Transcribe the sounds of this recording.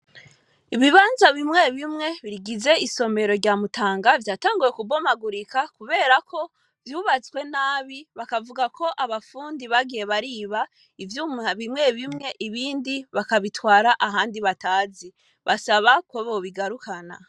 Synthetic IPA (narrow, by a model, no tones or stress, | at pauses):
iβiβaːnzaβimŋe̞βimŋe̞βiɾiɡize̞iso̞me̞ɾo̞ɾɟaːmutaːŋɡavjaːtaːŋɡuje̞kubo̞maɡuɾikakuβe̞ːɾakʰo̞ | vjuːβat͡swe̞naːβiβakavuɡakʰo̞ʔaβafuːndiβaɡije̞βaɾiːβa | ivjuβimŋe̞βimŋe̞ʔiβiːndiβakaβitwaːɾaʔaɦaːndiβataːzi | βasaβakwo̞βo̞βiɡaɾukʰana̰